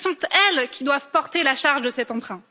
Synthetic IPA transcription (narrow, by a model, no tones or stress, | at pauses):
sɔ̃t̪ɛlkʲid̪wavpɔʁt̪elaʃaʁʒd̪əsɛt̪ɑ̃pχɛ̃